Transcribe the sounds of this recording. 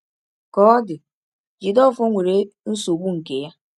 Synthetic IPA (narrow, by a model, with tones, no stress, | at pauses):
kɔ˦dɪ˨ | d͡ʒi˨dɔ˦˨fɔ˦ŋʷe˨ɾe˨n̩˦so˨ɡ͡bu˦ŋ̩˨ke˨ja˦